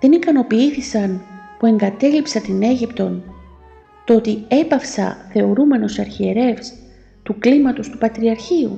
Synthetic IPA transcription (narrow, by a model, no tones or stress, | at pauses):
ðenikɐno̞piiθisɐnpue̞ŋɡɐt̪e̞lipsɐt̪ine̞ʝipt̪o̞n | t̪o̞t̪ie̞pɐfsɐ̰θe̞o̞ɾume̞no̞sɐɾçie̞ɾe̞fs | t̪uklimɐt̪o̞st̪upɐt̪ɾiɐɾçiṵ